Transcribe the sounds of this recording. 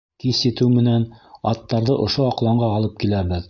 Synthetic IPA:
kisjɘ̆t̪ɘwmɘ̆nænɑ̰t̪ːɑɾðɤʔŏʃoɑqlˠɑɴɢɑɑlˠɤp̚kilæβɘð

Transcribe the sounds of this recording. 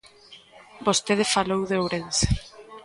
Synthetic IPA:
bost̪eð̞efalowðeowɾense̥

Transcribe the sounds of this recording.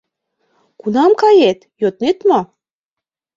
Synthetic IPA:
kunɑmkɑjet̪jot̪net̪mo

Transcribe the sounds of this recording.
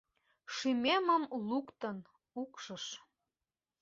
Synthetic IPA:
ʃymeməmlukt̪ən | ukʃəʃ

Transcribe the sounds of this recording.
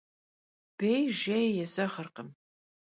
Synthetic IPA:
b̥ejʒejjɛzɐχərqəm

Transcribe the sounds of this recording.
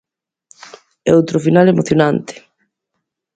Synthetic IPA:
ɛowt̪ɾofinalemoθjonant̪e̥

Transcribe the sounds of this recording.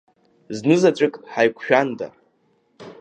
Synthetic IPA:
znɨzat͡ʃʷʼɨkʼħajkʷʰʃᶣanda̰

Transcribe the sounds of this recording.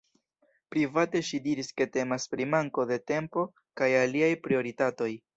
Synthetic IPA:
pɾivate̞ʃidiɾiske̞te̞maspɾimaŋko̞de̞te̞mpo̞ | kajaliajpɾio̞ɾitato̞j

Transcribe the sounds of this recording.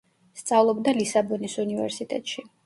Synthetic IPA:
st̪sʼavlˠɔbd̪alisabɔnisunivɛ̰ɾsit̪ʼɛ̰t̪ʼʃi

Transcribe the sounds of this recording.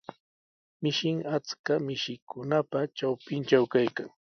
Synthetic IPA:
mɪʃɪŋat͡skamɪʃɪkʊnapaʈ͡ʂawpɪnt͡ʃawkajkaŋ

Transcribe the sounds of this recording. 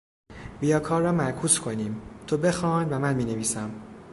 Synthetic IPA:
bijɒːkʰɒːrːɒːmæɾkʰuːskʰo̞niːmt̪ʰobe̞xɒːnvæmænmiːneviːsæm

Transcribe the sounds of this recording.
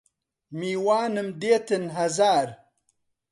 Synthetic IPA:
miːwaːnɨmd̪eːt̪ənɦɐzaːɾ

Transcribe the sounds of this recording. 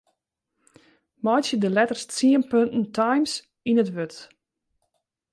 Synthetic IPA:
mɔjsjədəlɛtərst͡siənpøntn̩tʰajms | inətʋøt

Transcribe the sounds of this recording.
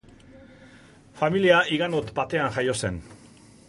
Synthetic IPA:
familiaiɣanot̪bat̪e̞anʝajo̞se̞n

